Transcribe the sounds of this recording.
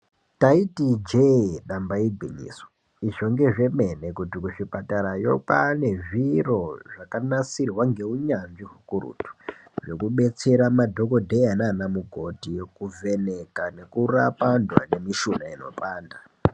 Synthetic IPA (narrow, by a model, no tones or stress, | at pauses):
taitid͡ʒeɗambaiɡʱḭɲḭːswo | iʐo̞ŋɡe̞ʐe̞me̞nekutikuʂipataɾajo̞pane̞ʐiro̞ʐakanasirwaŋɡe̞uɲanʐiɦukuɾṵːtu̥ʐe̞kuɓe̞t͡se̞ɾamadʱo̞ko̞dʱeanaːnamuɡʱo̞tikuve̞ne̞kane̞kurapandwa̰ne̞miʃunaino̞̰paːnda